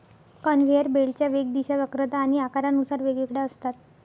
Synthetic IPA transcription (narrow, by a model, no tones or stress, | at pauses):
kənʋ̤ejəɾbeɭt͡ɕjaʋeɡ̚d̪iɕaʋəkɾət̪aːɽ̃iakaɾanusaɾʋeɡekɽaəst̪at̪